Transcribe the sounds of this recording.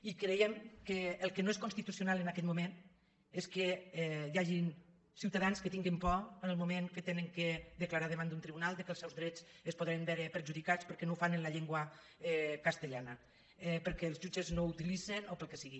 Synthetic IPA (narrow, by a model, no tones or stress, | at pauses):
ikɾejɛmkəːlˠkənoes̬konst̪it̪usiunalˠənakɛt̪mumen | eskəɛjaʒin | siwt̪aðanskət̪iŋɡimpɔənəlˠmumeŋkət̪enəŋkəd̪əklaɾaðəβand̪unt̪ɾiβunalˠd̪əkəlˠsɛwzðɾɛt͡səspoðɾembɛɾəpəɾʒuðikat͡spəɾkɛnowfanənləʎeŋɡwə | ɛkast̪əʎanə | ɛpəɾkɛːlzʒud͡ʒəznout̪ilizenopəlˠkɛsiɣi